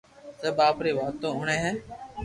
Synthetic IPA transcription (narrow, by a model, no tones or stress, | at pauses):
səːɓaːpɾeːʋaːt̪ːõːʊɳẽːɦɛ̃ː